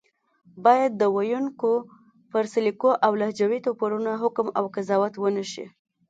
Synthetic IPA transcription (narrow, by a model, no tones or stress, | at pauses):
bɑjad̪̚ːəwajuŋko | pəɾsɪlikoʔawlahd͡ʒawit̪opaɾunaɦʊkmawkazɑwat̪wənəʃḭ